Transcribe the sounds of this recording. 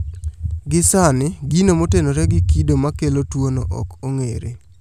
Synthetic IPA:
ɡɪsanɪɡinomotenoɾɛɡɪkidomakelotwono̰ʔɔ̰koŋḛɾḛ

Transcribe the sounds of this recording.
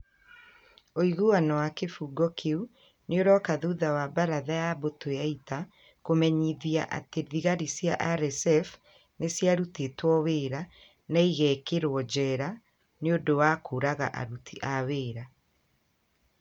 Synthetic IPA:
oiɣoanɔwakefuːɡɔkʰeu | neoɾɔkaðuðawabaɾaðajabotojaita | komɛɲiðiaʔa̰teðiɣaɾisjaʔaɾɛsɛf | nesjaɾutetwɔweːɾa | naiɣɛkeɾwɔd͡ʑɛɾa | neodowakʰoːɾaɣa̰ʔa̰ɾutʰiʔaweːɾa

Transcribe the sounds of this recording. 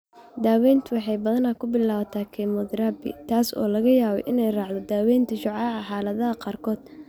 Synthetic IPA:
d̪aːwɛːjnt̪ʰʊwɑħɑjbɐðɐnɐkʰʊbɪlaːβɐt̪ʰaːkʰɛmɔðɾaːbɪ̰t̪ʰaːsɔ̰ːlɐɣɐjaːβɛjʔɪnɛjrɑːʕd̪ɔd̪aːwɛːjnt̪ʰɐʃʊʕɑːʕɑħɑːlɐðɐɦɐqɑːrkʰɔːd̪̥̚

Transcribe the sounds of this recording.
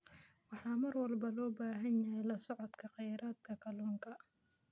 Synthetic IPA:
wɑħɑːmɐrwɐlbɐlɔːbaːɦɐnjɐjɛlɐsɔʕɔd̪kʰɐqɑjɾaːd̪̚kʰɐkʰɐlɔːŋkʰɐ

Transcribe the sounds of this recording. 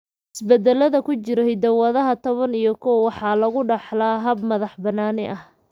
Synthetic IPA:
ɪsbɛd̪ɛlɐðɐkʰʊt͡ʃɪɾɛjd̪ɐwɐðɐɦɐt̪ʰɔβɐnijɞkʰɔwwɑħɑːlɐɣʊɖɑħlaːɦɐbmɐðɑħbɐnaːnɪʔɐh

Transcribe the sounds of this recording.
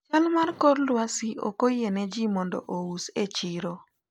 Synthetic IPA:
t͡ʃalmarkoɾlwasio̰kojened͡ʒimɔndɔ̰ʔowuset͡ʃiɾo

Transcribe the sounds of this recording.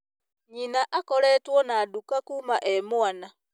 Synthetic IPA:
ɲinaʔakɔlɛtwɔnaːdukakumaʔemwana

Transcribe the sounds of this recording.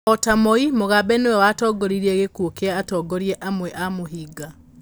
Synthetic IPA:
ɔtamɔimoɣabɛnewɛwatɔɡɔɾiɾiɛɣekuokeaːtɔːɡɔɾiɛʔamwɛʔamoɦiɡa

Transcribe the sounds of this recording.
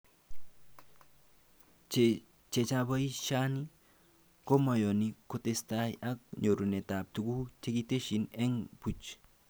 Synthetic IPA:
t͡ʃet͡ʃãbəiʃani | komajonikot̪est̪ajak̚ɲoɾunet̪ap̚t̪uɡut͡ʃeɡit̪eʃineŋput͡ʃ

